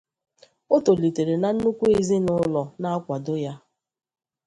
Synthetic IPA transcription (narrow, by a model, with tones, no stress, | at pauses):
o˦to˨li˨te˨ɾe˨na˨n̩˦nu˦kʷu˦e˦zi˦nʊ˦lɔ˨na˦a˦kʷa˨do˦ja˦